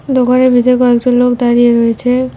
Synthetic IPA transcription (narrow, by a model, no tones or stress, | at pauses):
d̪okaɾebʱid̪ekɔekd͡ʒonlokd̪aɾieɾɔet͡ʃʰe